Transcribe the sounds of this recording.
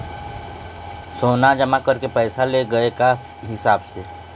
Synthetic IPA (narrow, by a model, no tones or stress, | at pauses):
soːnad͡ʒɐmãkɐɾkepɛːsaleɡɐeka | ɦɪsaːbse